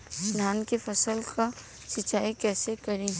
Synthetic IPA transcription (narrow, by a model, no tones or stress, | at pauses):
sd̪ʱaːnkefɐsəlka | ʃɪt͡ʃːaːikɛːsekɐɾĩ